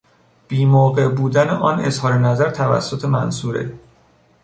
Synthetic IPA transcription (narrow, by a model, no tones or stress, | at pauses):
b̥iːmoːɣe̞ʔbuːd̪æneʔɒːnezhɒːɾenæzæɾt̪ʰævæ̰sːot̪ʰe̞mæ̰nsuːɾḛ